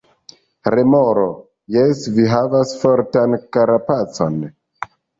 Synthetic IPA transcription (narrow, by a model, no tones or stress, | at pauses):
ɾemoɾo | jesviɦavasfoɾtankaɾapat͡so̞n